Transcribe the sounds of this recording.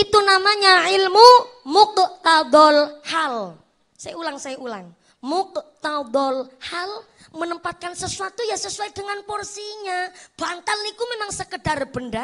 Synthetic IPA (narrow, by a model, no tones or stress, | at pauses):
ʔit̪unamaɲaʕilmumʊk̚t̪ad̪ɔlhal | sajaulaŋsajaʔula̰ŋ | mʊkt̪ad̪ɔlhal | mənəmpat̪̚kansəsuat̪ujasəsuaidəŋanporsiɲab̥ant̪alnikumemaŋsəkədarb̥ənda